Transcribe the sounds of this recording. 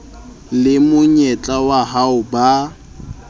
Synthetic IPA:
lɪmʊɲɛt͡ɬʼawaɦaʊba

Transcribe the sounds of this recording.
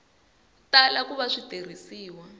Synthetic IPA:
talakuβaʂiter̤isiːwa

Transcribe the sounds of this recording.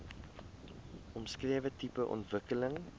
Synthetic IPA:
ʔɔmskriəvətipəʔɔ̰ntvəkələŋ

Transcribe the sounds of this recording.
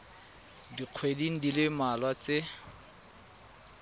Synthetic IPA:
diq͡χʰwediŋ̩dilɪmalwat͡sɪ

